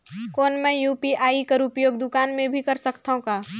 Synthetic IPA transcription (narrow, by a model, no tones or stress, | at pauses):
koːnmɛ̃juːpiʔaːikəɾʊpjoːɡd̪ʊkaːnmẽbʱikɐɾsəkt̪aõkaː